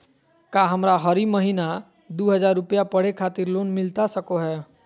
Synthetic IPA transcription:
kaːɦəmɾaɦəɾiməɦiːna | d̪uːɦəzaːɾːʊpjapəɽ̤ekʰaːt̪ɪɾloːnmɪlt̪asəkoɦɛː

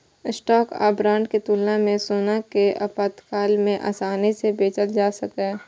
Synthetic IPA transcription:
ɪsʈɔːka̰ːbɾãːɳɖket̪uːlnamẽsoːnakeʔɐpat̪kaːlmẽʔa̰ːsaːnisebeːt͡ʃət̪d͡ʒaːsəkɛː

